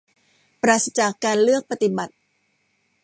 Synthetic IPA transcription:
pɾaː˨˩sa˧t͡ɕaː˨˩kːaː˧nlɯ˥˩ək̚pa˧t̪i˨˩ba˨˩t̪̚

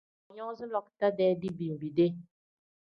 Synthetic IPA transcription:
ɲɔ˦zɨ˦lɔ˦k̚ta˦dɛ˦di˦bi˨bi˨de˦

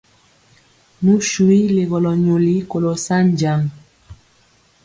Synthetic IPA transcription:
nu˦ʃu˨i˦le˨ɣɔ˨lɔ˨ɲo˨li˦ko˨lo˨sa˦nd͡ʒa˨ŋ

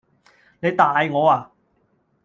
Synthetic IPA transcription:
ne˨˧jt̪aː˨˧jŋɔː˨˧aː˨˧

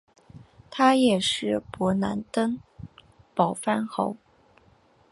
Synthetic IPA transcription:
t̪ʰa˥jɛ˨˩ʂɻ̩˥˩pwɔ˧˥na̰˧˥nt̪ə˥ŋ | pɑ˨˩ʊfa˥nxo̰˧˥ʊ

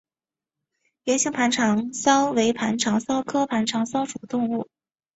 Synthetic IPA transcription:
jɛ˧˥nɕi˥˩ŋpʰa˧˥nʈ͡ʂʰɑ˧˥ŋsɑ˥ʊwe˧˥ɪpʰa˧˥nʈ͡ʂʰɑ˧˥ŋsɑ˥ʊkʰɤ˥pʰa˧˥nʈ͡ʂʰɑ˧˥ŋsɑ˥ʊʈ͡ʂʰu˨˩t̪ʊ˥˧ŋu˥˩

